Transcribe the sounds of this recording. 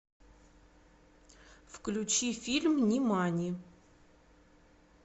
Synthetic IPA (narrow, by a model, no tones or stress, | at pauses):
fklʲʊt͡ɕifʲilʲmnʲɪmanʲɪ